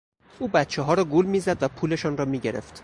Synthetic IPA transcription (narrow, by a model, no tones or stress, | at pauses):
ʔuːbæt̪t͡ʃʰeɦɒːɾɒːɡulmiːzæd̪væpʰuːle̞ʃɒːnɾɒːmiːɟe̞ɾḛft̪